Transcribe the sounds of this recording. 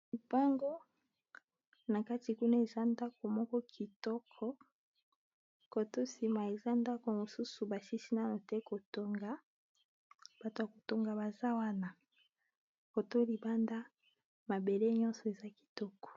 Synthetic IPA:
li˨ba˦ŋɡo˦ | na˨ka˦ti˨ku˦na˦e˨za˦nda˦ko˨mɔ˦kɔ˦kʰi˨tɔ˦kʰɔ˦ | ko˨to˦si˨ma˨e˨za˦nda˦ko˨mo˨su˦su˨ba˨si˦si˦na˦no˨te˦ko˨to˦ŋɡa˨ | b̥a˨to˨a˨ko˨to˦ŋɡa˨ba˨za˦wa˦na˨ | ko˨to˦li˨ba˦nda˦ | ma˨be˨le˦ɲɔ˦nsɔ˨e˨za˦ki̥˨tɔ˦kɔ̥˨

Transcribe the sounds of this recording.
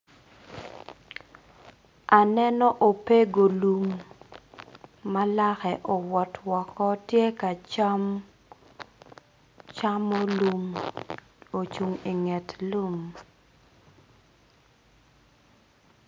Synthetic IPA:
ʔa˨nɛ˦nɔ˦ʔo˨pe˦ɡo˨lu˨m | a˦la˦xɛ˨ʔɔ˨wɔ˨twɔ˨kɔ˦tje˦ka˨t͡ʃa˦m | t͡ʃa˦mo˦lu˦m | o˨t͡ʃu˨ŋi˨ŋɛ˨tlu˦m

